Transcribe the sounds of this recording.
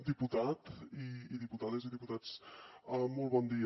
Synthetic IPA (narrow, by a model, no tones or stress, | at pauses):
d̪iput̪at̪iːðiput̪aðeziðiput̪at͡səmɔlˠβɔnd̪iə